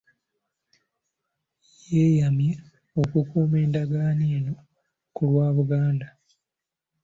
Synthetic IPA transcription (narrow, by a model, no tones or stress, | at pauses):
jeːjamje | okukuːme̞ːndaɡaːneːno̞ | kulwaːβuɡaːnda